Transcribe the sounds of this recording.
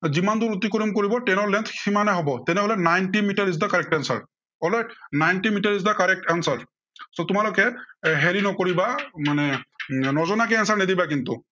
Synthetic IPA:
zimanduɹut̬ikoɹimkoɹibɔtɛnɔɹlɛntximanɛɦɔbɔtɛnɛɦɔlɛnajntimitaɹis̬dakaɹɛk̚tansa̰ɹ | ɔlɔnajntimitaɹis̬dakaɹɛk̚tansaɹ | sɔtʊmalʊkɛɦelinɔkoɹibamanɛnɔzɔnakɛansaɹnɛdibakintʊ̰

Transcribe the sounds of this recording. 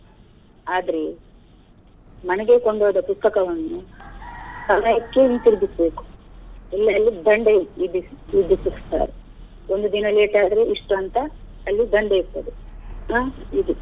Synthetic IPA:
aːd̪ɐɾe | mɐnɛɡe̞koɳɖoːd̪ɐpust̪ɐkɐʋɐnːu | sɐmajɐkːeint̪iɾb̪isbe̞ːku̥ilːɐːlːid̪ɐɳɖeid̪iid̪ːisussa̰ːɾe | ond̪ud̪inɐle̞ːʈaːd̪ɾeiʂʈuɐnt̪ɐː | lːid̪ɐɳɖejiso̰d̪uaːid̪u

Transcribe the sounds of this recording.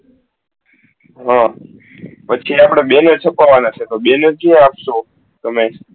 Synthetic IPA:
ɦã | pətːt͡ʃʰiapɽ̃ebenət͡ʃʰəpaʋanat͡ʃʰet̪obenəd͡ʒieapso | t̪əme

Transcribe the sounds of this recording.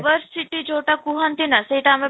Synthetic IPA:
ʋəɾsiʈid͡ʒoːʈakuɦant̪inasɐiʈaːme

